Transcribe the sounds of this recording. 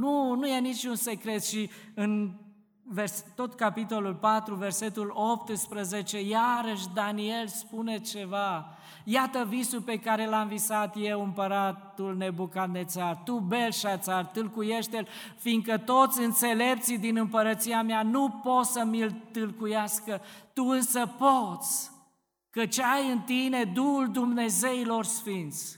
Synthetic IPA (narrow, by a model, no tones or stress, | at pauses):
nunuje̞nit͡ʃʲunse̞kɾe̞t̪ʃiɨn | verst̪o̞t̪kapit̪o̞lulpat̪ɾuve̞rse̞t̪ulo̞p̚t̪ɨspɾəzet͡ʃe̞jaɾəʃ̬d̪anie̞lspune̞t͡ʃe̞va | jat̪əvisulpe̞kaɾe̞lamvisat̪je̞wɨmpəɾat̪ulne̞bukat̪̚net̪sart̪ube̞lʃat̪sart̪ɨlkuje̞ʃt̪el | fiŋɡkət̪o̞t̪sʲɨnt̪se̞le̞pt̪sid̪inɨmpəɾət̪siameanupo̞t̪səmilt̪ɨlkujaskət̪uɨnsəpo̞t̪sʲ | kət͡ʃajɨnt̪ine̞d̪uhuld̪umne̞ze̞ilo̞rsfint̪sʲ